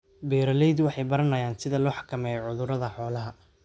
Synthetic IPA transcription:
bɛːɾɐlɛjd̪wɑħɑjbɐɾɐnɐjaːnsɪðɐlɔːħɑ̥kʰɐmɛːjɔʕʊðʊɾɐðɐħɔːlɐɦɐ

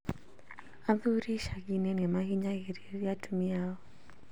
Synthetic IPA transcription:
aðuɾiʃaɣinɛnɛmaɣiɲaɣeɾiiatumiaɔ

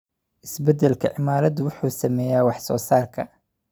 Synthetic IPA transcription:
ʔɪsbɛd̪ɛlkʰɐ̰ʕɪmaːɾɐd̪ʊwʊħuːsɐmɛːjaːwɑħsɔːsaːrkʰɐ

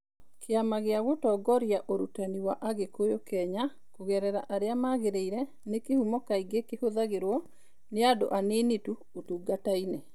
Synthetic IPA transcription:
kʰeamaɣeaɣotɔːɡɔɾjaʔoɾutaniwaʔaɣekojokɛɲa | koɣɛɾɛɾaʔaɾeamaɣeɾeiɾɛ | nekehumɔkaiɡekehoðaɣeɾwɔ | neado̰ʔaneːnetu | otuːɡataine

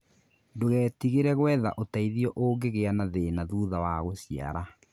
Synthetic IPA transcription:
ndoɣɛːtiɣeɾɛɣwɛða̰ʔotaiðiɔʔoːɡeɣeanaðeːnaðuːðawaɣosia̰ɾa

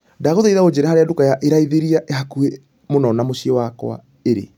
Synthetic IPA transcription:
daɣoðaiðaod͡ʑeɾɛhaɾeadukajaʔeɾaiðeɾiaʔehakue | monɔnamoɕiɔwakw̰a̰ | eɾḛ

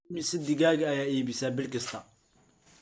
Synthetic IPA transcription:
mɪsɐd̪ɪɣaːɣɐjaːiːbɪsaːbɪlkɐst̪ʰɐ

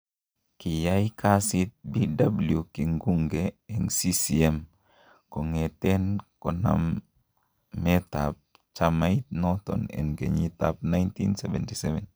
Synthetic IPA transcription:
kijajkʰasit̪̚bidabuljukiŋɡuŋɡeɛŋsisiɛm | kɔŋɛtɛnkɔna̰mː | ɛta̰p̚ | t͡ʃamait̪̚nɔt̪ɔ̰nɛ̰nɡḛɲit̪ap̚najntḭnsɛvɛntisɛvɛn

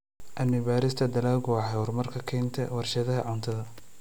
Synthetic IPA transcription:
ʔɐnɪbaːɾɪst̪ʰɐd̪ɐlaːlɡʊɑħɛʊrmɐrkʰɐkʰɛːnt̪ʰɛwɑrʃɐðɐɦɐʕʊnt̪ʰɐðɐ

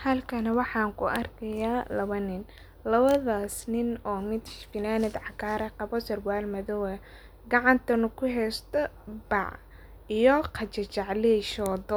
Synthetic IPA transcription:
hɐlkʰɐnɐwɑħɑːŋkʰʊʔɐrkʰɐjaːlɐβɐnɪn | lɐβɐðaːsnɪnɔːmɪd̪fɪnaːnɛd̪ʕɑkʰaːɾɛqɑβɔsɐrwaːlmɐðɔwɛ | ɡɑʕɑnt̪ʰɐnʊkʰʊɦɛːst̪ʰɔbɑ̰ʕ | ijɔqʰɑt͡ʃɐt͡ʃɑʕlɛʃɔːdɔ

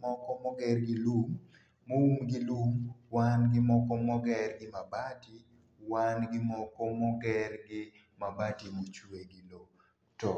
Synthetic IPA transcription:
mɔkɔmɔɡɛrɡɪlumː | owumɡɪlumwanɡɪmɔkɔmɔɡɛrɡɪmabati | wanɡɪmɔkɔmɔɡɛrɡɪ | mabatimot͡ʃueɡɪlo | tɔ

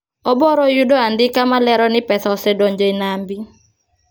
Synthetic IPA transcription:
ɔbɔɾɔjudɔandɪkamalɛɾɔnɪpɛθɔɔsɛdɔɲd͡ʒɔinambi

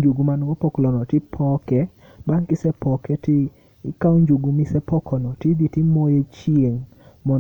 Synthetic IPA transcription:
d͡ʒuɡumanɡɔpɔklɔnɔtɪpʰɔkɛ | baŋkɪsɛpɔkɛtɪ | kawɲd͡ʒuɡumɪsɛpɔkʰɔnɔtɪd̪itɪmojet͡ʃieŋ | mɔ

